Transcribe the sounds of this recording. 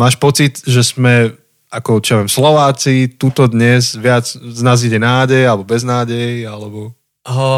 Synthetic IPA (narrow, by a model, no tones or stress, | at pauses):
maːʃpɔt͡sid̪ʒɛzmɛ | akɔt͡ʃijaʋɛmslɔʋaːt͡sit̪uːt̪ɔd̪ɲɛzʋɪad͡zznaːziɟɛnaːɟɛjalɛbɔbɛznaːɟɛjalɛbɔ | ɦ